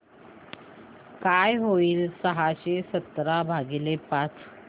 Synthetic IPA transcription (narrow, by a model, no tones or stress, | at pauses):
kajɦoiːlsəɦaɕesət̪ɾabʱaɡilepat͡s